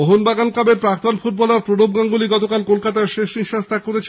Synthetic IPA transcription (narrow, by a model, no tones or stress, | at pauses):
oɦonbaɡanklabeɾpɾak̚t̪onfut̪̚bɔlaɾpɾoɽobɡaŋɡuliɡɔt̪okalkolkat̪aeɾʃeʃniʃast̪ʰakːoɾet͡ɕʰ